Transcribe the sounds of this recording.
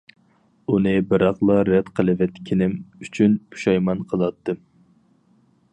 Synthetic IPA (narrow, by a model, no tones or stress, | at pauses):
unɨbɨɾɑχlˠɑɾɛt̪qʰəlˠɨvɛt̪kʲʰinɪmyt͡ʃʰynpʰu̥ʃɑjmɑnqʰəlˠɑt̪ːɨm